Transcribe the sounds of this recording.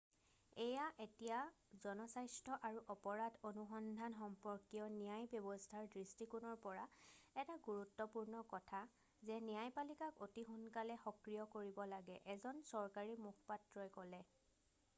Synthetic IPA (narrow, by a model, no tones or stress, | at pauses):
ɛjaʔetijazɔnɔsajstʰɔʔaɹuʔɔpɔɹadonuxɔndʱanxɔmpɔɹkiɔnijajbjɔbɔstʰaɹdɹistikunɔɹpɔɹaɛtaɡuɹutːɔpuɹnɔkɔtʰa | zɛnijajpalikakotixunkalɛxɔkɹijɔkoɹibɔlaɡɛʔɛzɔnsɔɹkaɹimukʰpatɹɔjkɔlɛ